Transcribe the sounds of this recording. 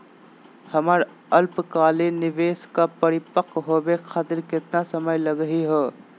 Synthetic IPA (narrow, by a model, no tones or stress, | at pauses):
həmaɾ | əlpkaːlenɪʋeːskapəɾɪpəkɦobekʰaːt̪ɪɾkɪt̪nasəməjləɡəɦiɦoː